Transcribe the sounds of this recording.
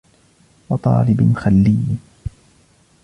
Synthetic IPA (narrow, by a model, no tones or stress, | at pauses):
wɑt̪ˤɑ̰ːlɪbnxalːɪj